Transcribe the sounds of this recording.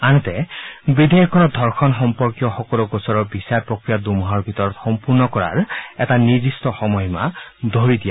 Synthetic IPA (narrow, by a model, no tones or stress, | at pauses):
anɔtɛbid̪ʱejɔkʰɔnɔd̪ʱɔɹxʰɔnxɔmpɔɹkijɔxɔkɔluɡosɔɹɔbisaɹpɹɔkɹijad̪umʱɔɹbʱitɔɹɔtxɔmpuɹnɔkɔɹa̰ɹɛtaniɹdistɔxɔmɔjmad̪ʱoɹidija